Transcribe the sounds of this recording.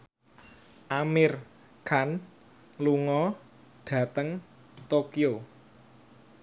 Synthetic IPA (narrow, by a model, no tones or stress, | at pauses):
ʔamɪr | kʰan | luŋɔ | ɖ̥ä̤t̪əŋ | t̪okio